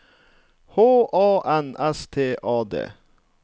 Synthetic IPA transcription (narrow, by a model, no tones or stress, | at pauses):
hoːʔɑːʔɛnʔɛst̪ʰeːʔɑːd̪ḛː